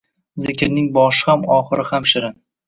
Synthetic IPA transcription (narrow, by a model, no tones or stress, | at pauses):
zɪkʲɪɾnɪŋbɒʃɪ̥hamɒχɨɾɪhamʃɪɾɪn